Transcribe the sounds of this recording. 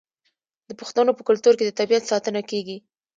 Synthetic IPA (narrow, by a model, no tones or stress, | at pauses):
d̪əpəxt̪anopəkʊlt̪uɾked̪ət̪abijat̪sɑt̪ənakeɡi